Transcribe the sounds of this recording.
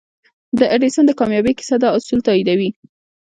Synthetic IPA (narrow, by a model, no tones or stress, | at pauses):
d̪əʔaɖesənd̪əkɑmjɑbekɪ̥sad̪ɑʊsult̪ɑid̪awi